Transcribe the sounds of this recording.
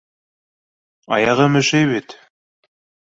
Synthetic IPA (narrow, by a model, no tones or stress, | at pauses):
ɑ̰jɑʁɤmɵ̆ʃɘjβit̪